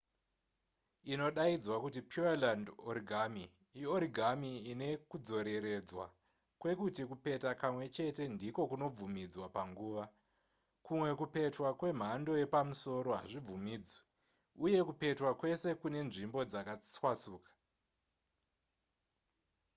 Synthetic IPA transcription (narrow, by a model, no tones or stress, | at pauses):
ino̞ɗaid͡zwakutipʰualandoɾiɡʱami | ioɾiɡʱamiːne̞kud͡zo̞ɾe̞ɾe̞d͡zwa̰ | kwe̞kutikupe̞takamwe̞t͡ʃe̞te̞ndiko̞kuno̞b͡vumid͡zwapaŋɡuːʋa | kumwe̞kupe̞twakwe̞m̤ando̞je̞pamuso̞ɾo̞ɦa̰ʐib͡vumiːd͡zwe | uje̞kupe̞twakwe̞se̞kune̞nʐimbo̞d͡zakat͡swat͡suːkḁ